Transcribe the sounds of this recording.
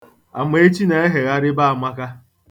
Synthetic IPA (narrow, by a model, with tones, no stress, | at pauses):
a̰˨me˨e˦t͡ʃi˦ne˨e˦ɦe˨ɣa˦ɾɪ˦ba˦a˨mʷa˦ka˦